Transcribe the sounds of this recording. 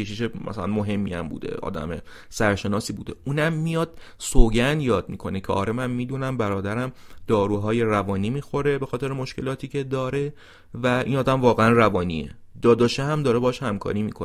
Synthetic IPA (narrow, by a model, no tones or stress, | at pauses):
eʃiʃemæ̰sæ̰lænmoɦe̞mːḭæ̰mbṵːd̪ḛɒ̰ːd̪æ̰mḛ | sæɾʃe̞nɒːsiːbuːd̪e̞̰ʔuːnæmːijɒːd̪̥̚ | soːɟænjɒːd̪̚mḭːkʰo̞necʰḛʔɒ̰ːɾemænmiːd̪uːnæmbæɾɒːd̪æɾæmd̪̥ɒːɾuːɦɒːje̞ɾævɒːniːmiːxo̞ɾe̞be̞xɒːt̪e̞ɾemoʃke̞lɒːt̪ʰiːcʰe̞d̪ɒːɾe̞ | væḭnɒːd̪æmvɒːɣeænrævɒːniːḛd̪ɒːd̪ɒːʃeɦæmd̪ɒːɾebɒːʃhæmkʰɒ̰ːɾiːmḭːkʰone